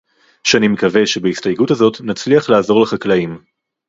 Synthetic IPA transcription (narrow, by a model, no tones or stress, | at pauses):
ʃeanimekave̞ʃe̞beistajɡutazo̞tnat͡sliaχlaːzo̞ʁleχaklaim